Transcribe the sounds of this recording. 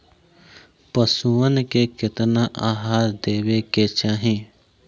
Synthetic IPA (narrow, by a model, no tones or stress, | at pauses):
pəsuənkekɪt̪naʔaːɦaːɾd̪eːweket͡ʃaːɦẽː